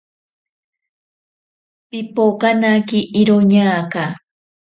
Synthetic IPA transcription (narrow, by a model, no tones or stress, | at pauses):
pɪpokanakɪʔɪɾoɲaːka